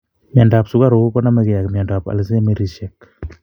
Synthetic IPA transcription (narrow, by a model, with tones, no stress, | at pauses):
mja˨nda˨psʊ˦ɡa˦ɾo˨˦kɔ˦na˦mɛ˦kɪ˨ja˨kmja˨nda˨pa̰˨ls̬e˦me˦ɾiʃɛk